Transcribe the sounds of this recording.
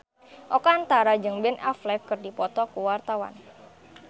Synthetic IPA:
ʔɔkaːnt̪aɾad͡ʒɨŋbɛnʔaflɛkːɨrdipɔt̪ɔkuwart̪awa̰n

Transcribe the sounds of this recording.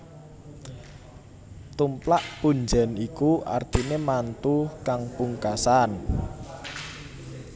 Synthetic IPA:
t̪umplaʔpuɲd͡ʒa̤nikuʔa̰rt̪inemant̪ukaŋpuŋkasan

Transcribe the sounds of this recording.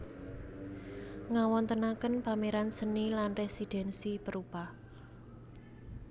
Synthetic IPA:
ŋawɔnt̪ənakənpameɾansənilanresid̪̥ɛ̤nsipəɾuba

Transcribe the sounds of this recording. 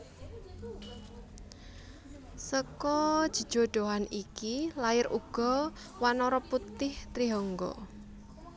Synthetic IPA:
səkɔd̥ʒ̥i̤d̥ʒ̥o̤ɖ̪̥oɦanikilaɪɾʔuɡ̥ɔ̤ | wanɔɾɔput̪ɪht̪ɾiɦɔŋɡɔ̰

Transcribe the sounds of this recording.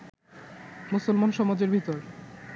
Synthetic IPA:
musolmanʃɔmad͡ʑeɾbʱit̪oɾ

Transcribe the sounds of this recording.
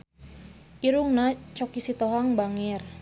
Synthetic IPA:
ʔiɾuŋnat͡ʃɔkisit̪ɔɦaŋbaŋir

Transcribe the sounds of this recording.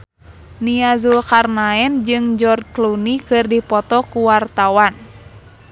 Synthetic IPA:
niazulkarnaɛnd͡ʒɨŋd͡ʒɔrklunikɨrdipɔt̪ɔkuwart̪awan

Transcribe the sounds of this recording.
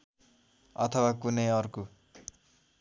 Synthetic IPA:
ʌ̰t̪ʰʌwakunʌjʌrko

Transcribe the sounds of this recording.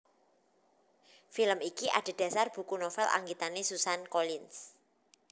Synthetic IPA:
filəmikiʔa̰ɖ̥e̤d̥ä̤sarb̥ṳkunɔfɛlʔa̰ŋɡit̪anesusankolins

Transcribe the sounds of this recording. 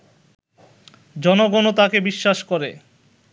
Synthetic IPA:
d͡ʑɔnoɡonot̪akebiʃːaʃkɔɾe

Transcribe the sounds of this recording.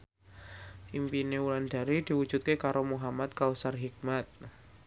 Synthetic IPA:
ʔimpineulanda̤ɾidi̤wu̥d͡ʒ̥ut̪̚kekaɾʔomuɦamat̪̚kausarɦik̚mat̪̚

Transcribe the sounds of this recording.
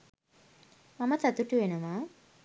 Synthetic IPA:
maməsat̪uʈuʋenəʋaː

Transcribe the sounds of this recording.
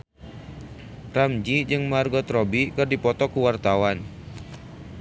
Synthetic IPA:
ramd͡ʒid͡ʒɨŋmarɡɔt̪rɔbikɨrdipɔt̪ɔkuwart̪awan

